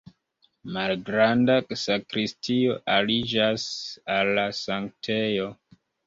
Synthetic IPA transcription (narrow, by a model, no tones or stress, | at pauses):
malɡɾandasakɾistio̞ʔalid͡ʒasalːasaŋktʰejo̞